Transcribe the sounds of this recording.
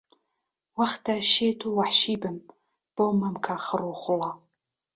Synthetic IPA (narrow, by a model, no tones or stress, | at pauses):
wɐχtʰɐʃeːtʰuwaħʃiːbɨm | b̥omɐmkʰaχəruχʷʊlɑ